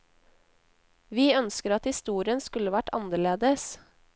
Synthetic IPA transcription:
ʋiːœnskəɾɑt̪hɪst̪uːɾɪənskʉləʋæʈɑ̰nəɭeːd̪əs

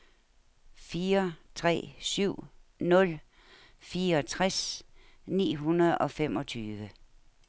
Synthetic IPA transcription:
fiːɐt͡sʰʁɛ̰ːsyʊ̰nɔ̽l | fiːɐɒ̽t͡sʰʁasnḭːɦunɐð̩ˠɒ̽femɒ̽t͡sʰyːʋə

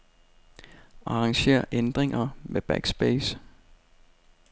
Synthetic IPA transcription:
ɑ̈ʁɑ̈ŋɕe̝̰ɐ̰ʔend̥ʁeŋɐmeb̥æɡ̥sb̥eːs

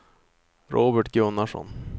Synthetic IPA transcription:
ɾʔoːbəʈɡɵnːaʂɔ̰n

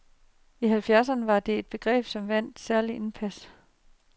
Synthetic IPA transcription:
iɦælfjæɐs̬ɐnəʋɑ̈d̥e̝e̝d̥̚b̥e̝ɡ̥ʁɛ̰ːb̥sɒ̽mʋæn̰d̥sæɐliʔe̝npʰæs

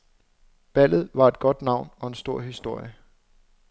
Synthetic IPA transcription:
b̥æl̰ð̞̩ˠʋɑ̈e̝d̥̚ɡ̥ɒ̽d̥nɑ̈ʊ̰nɒ̽e̝nsd̥o̝ɐ̰ɦisd̥o̝ɐ̰jə

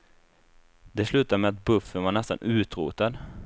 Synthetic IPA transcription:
d̪ɛslʉːt̪amɛat̪̚bɵfːənvaɳɛst̪a̰nʔʉ̟ːt̪ɾṵːt̪ad̪

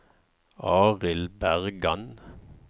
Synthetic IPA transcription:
ɑːʁɪlbæʁɡɑn

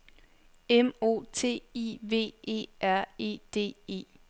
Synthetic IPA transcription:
emo̝̰ːt͡sʰe̝̰ːiʋe̝̰ːe̝̰ːʔæɐ̰e̝̰ːd̥e̝̰ːe̝̰ː

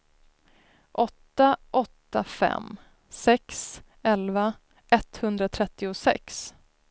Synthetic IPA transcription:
ʔɔt̪ːaʔɔt̪ːafɛ̰mː | sɛks | ɛlva | ʔɛt̪ːhɵnd̪ɾat̪ʰɾɛt̪ːɪʊsɛ̰ks

